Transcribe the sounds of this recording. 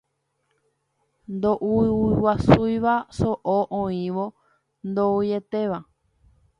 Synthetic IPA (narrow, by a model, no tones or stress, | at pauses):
nd̪oʔuwasujʋasoʔoʔõĩʋo | nd̪oujet̪e̞ʋa